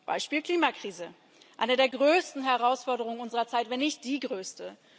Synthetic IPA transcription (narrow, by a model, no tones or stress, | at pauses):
b̥a̰ɪʃpiːlkl̥iːmakʁ̥iːzə | ʔaɪnədeːɐɡʁøːstn̩ɦɛʁaʊsfɔɐdəʁ̞ʊŋənʔʊnzəʁɐt͡saɪtvɛnːɪçt̚d̥iːɡʁøːstə